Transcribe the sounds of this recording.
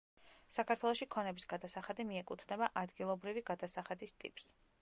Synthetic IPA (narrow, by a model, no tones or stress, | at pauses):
sakʰaɾt̪ʰwɛlˠɔʃikʰɔnɛbisɡ̥ad̪asaχad̪imiɛkʼut̪ʰnɛbaʔad̪ɡilˠɔbɾiviɡad̪asaχad̪ist̪ʼḭpʼs